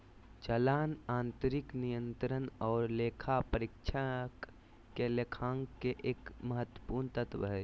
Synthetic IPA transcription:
t͡ʃəlaːnãːnt̪əɾɪknijə̃nt̪ɾənɔːɾleːkʰapəɾikt͡ʃʰa | kelekʰãːŋɡkeʔeːkməɦət̪ːwə̥puːɾnt̪ət̪ʰʋɦɛ

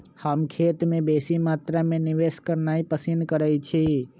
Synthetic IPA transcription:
həmkʰet̪mebesimat̪ɾameniʋeskəɾnaipəsinkəɾɛt͡ʃʰi

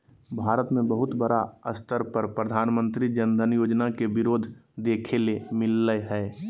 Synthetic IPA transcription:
bʱaːɾət̪mẽbəɦʊt̪bəɾaəst̪ʰəɾpɾəɾpɾəd̪ʱaːnmə̃nt̪ɾid͡ʒənd̪ʱənjoːd͡ʒnakebɪɾoːd̪ʱd̪eːkʰelemɪlːəjɦɛː

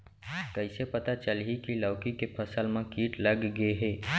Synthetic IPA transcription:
kəɪsepɐt̪at͡ʃəlɦikilɔːkikepʰəsəlmẽkiːʈlɐɡːeɦɛː

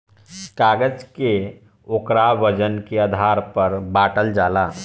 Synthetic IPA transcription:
kaːɡəd͡ʒke | okɾabəd͡ʒənkead̪ʱaːɾpɐɾbaːʈəld͡ʒaːlaː

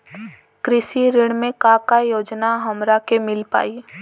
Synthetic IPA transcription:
kɾɪʃiɾɪɽ̃mẽkakajoːd͡ʒnaɦɐmɾakemɪlpa̰ːi

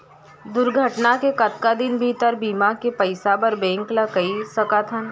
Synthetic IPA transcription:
d̪ʊɾɡʱəʈnakekɐt̪kad̪ɪnbʱiːt̪əɾbiːmakepɐɪsabɐɾbẽːŋklakɐisɐkat̪ʰən

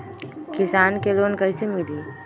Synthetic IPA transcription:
kɪsaːnkeloːnkəɪsemɪliː

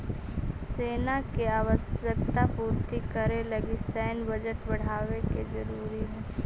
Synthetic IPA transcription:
seːnakeaːʋəsjək̚t̪apuːɾt̪ikəɾelɐɡisɛːnbɐd͡ʒəʈbɐɽ̤aːʋekezɐɾuːɾiɦɛː

